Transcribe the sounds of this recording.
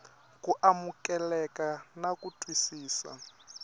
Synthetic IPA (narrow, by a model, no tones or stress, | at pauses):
kuʔamukʼɛlɛkanakutʰʼwisiːsa̰